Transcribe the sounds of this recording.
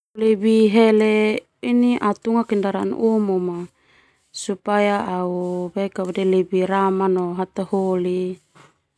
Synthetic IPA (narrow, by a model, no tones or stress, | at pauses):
lebiɦele | iniʔat̪uŋakindaɾan̰ʔomoma | supajaʔːubakaβedelebiɾamanoɦat̪aholi